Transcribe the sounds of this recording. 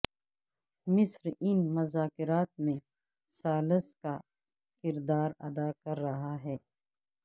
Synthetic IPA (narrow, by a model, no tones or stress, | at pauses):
mɪsɾɪnmɐzaːkɪɾaːt̪̚mẽ | saːləska | kɪɾd̪aːɾɐ̰d̪akɐɾːɐɦaɦɛː